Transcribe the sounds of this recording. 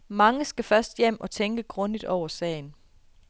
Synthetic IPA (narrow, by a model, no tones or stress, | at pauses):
mɑ̈ŋəsɡ̥æfɶɐsd̥jem̰ʔɒ̽t͡sʰeŋɡ̥əɡ̥ʁɔ̽ndid̥ɒʊ̰ɐsɛ̰ːɪn